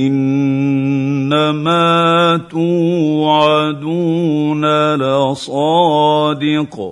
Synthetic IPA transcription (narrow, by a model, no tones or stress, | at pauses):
ʔɪn | amaːt̪uːʕad̪uːnalasˤɑːd̪ɪq